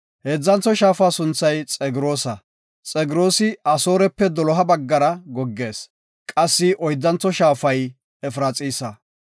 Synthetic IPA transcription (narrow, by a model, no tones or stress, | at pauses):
heːd͡zːɐnt͡sːɔʃaːfaːsʊnt͡sːɐjt͡sʼɛɡɪɾo̞ːsɐ | t͡sʼɛɡɪɾo̞ːsɪɐso̞ːɾɛpːɛd̪ɔlɔɦɐbɐɡːɐɾɐɡɔɡːe̞ːs | kʼɐsːɪʔɔjd̪ːɐnt͡sːɔʃaːfɐj | ɛfɾaːt͡sʼiːsɐ